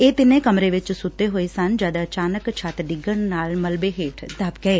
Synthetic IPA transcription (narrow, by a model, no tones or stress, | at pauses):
eːt̪ɪnẽkəmɾeʋɪt͡ʃsʊt̪ːeɦoːesɐnd͡ʒjaːd̪aət͡ʃaːnəkt͡ʃʰaːt̪ɖɪɡəɳnaːlməlbeɦeːʈʰd̪aːbɡɐeː